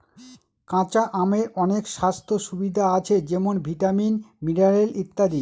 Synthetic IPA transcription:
kãt͡ɕaʔameɾɔnekʃast̪ʰoʃubid̪ʱaat͡ɕʰed͡ʑemonbʱiʈaminmiɖaɾelʔit̪ːad̪i

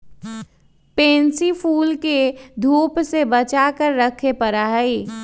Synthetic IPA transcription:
pẽːnsipʰuːlked̪ʱuːpsebət͡ʃakəɾːəkʰepəɾaɦi

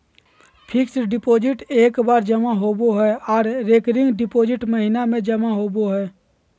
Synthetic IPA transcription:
pʰɪksɖɪpoːd͡ʒɪʈeːkbaːɾd͡ʒəmaɦoːboɦɛɔːɾɾeːkɾɪ̃ŋɡɖɪpoːd͡ʒɪʈməɦɪnamẽd͡ʒəmaɦoːboɦɛː

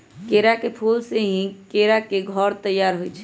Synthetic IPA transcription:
keɾakepʰulseɦĩkeɾakeɡʱɔɾt̪əjːaɾɦojt͡ʃʰɛ

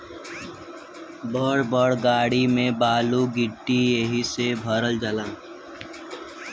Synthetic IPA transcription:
bəɽbəɽɡaːɽimẽbaːluɡɪʈːijeɦisebʱəɾəld͡ʒəlãː

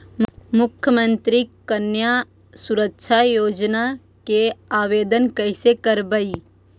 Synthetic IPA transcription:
mʊkʰjəmə̃nt̪ɾikənja | suɾəkʃʰajoːd͡ʒna | keaːʋeːd̪ənkəɪsekəɾbəi

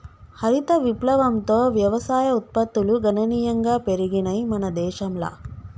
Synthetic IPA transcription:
hɐɾit̪ɐʋiplɐʋɐmt̪oːʋjɐʋɐsaːjɐut̪̚pɐt̪ːuluɡɐnɐniːjɐŋɡaːpeɾiɡinɐjmɐnɐd̪ɛːʃɐmlɐ̰

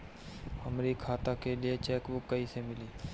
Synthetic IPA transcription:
həmɾikʰaːt̪akeliet͡ʃɛːkbʊkːəisemɪliː

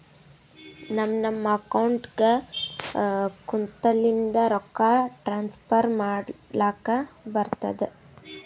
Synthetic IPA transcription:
nɐmːnɐmːɐːkɐwɳʈɡe | kunt̪ɐlːind̪ɐɾɔkːaʈɾaːnspʰɐɾmaːɽlaːkɐbɐɾt̪ɐd̪e

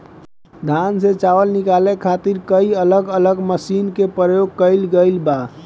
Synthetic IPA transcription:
d̪ʱanset͡ʃaʋəlnikalekʰat̪iɾkəiələɡələɡməsinkepɾəjoɡ̚kəɪlɡəɪlba

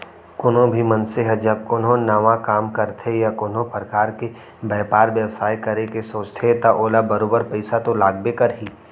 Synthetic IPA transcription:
kʊnõbʱimɐnseɦɛd͡ʒɐb̚kʊnɦõnaʋakaːmkɐɾt̪ʰejakʊnõpɾəkaːɾke | bɛːpaːɾʋjəʋsaːjkɐɾekesoːt͡ʃt̪ʰet̪aʔoːlabɐɾoːbəɾpɐɪsat̪olaːɡ̚bekɐɾɦiː

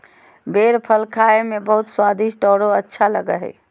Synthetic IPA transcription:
beɾpʰəlkʰaemebəɦut̪swad̪iʃʈɔɽoətːʃʰaləɡəɦɛ̰

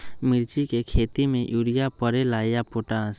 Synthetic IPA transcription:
mɪɾt͡ʃikekʰeːt̪imẽjuːɾijapəɾelaːjapoːʈaːs

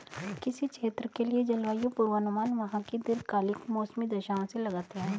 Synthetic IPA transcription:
kɪsit͡ʃʃeːt̪ɾəkelied͡ʒɐlʋaːjõpʊɾʋənʊmaːnʋɐɦãkid̪ɪɾkaːlɪkmoːsmid̪ɐʃaːõselɐɡaːt̪eɦɛ̃ː

